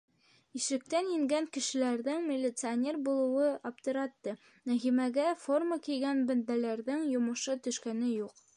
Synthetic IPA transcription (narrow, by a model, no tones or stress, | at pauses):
iʃɘ̆k̚t̪ænjɘ̆ŋɡæŋkɘ̆ʃɘ̆læɾðɘŋmʲɪlʲːɪt̪sɨɐnʲe̞rbulˠɤ̆wɤɑpt̪ɤ̆ɾɑt̪ːɤ | næɦimæɡæfo̞rməkijɡænbɵ̆nd̪ælæɾðɘŋjŏmɤ̆ʃɤt̪ɵ̆ʃkænɘjuq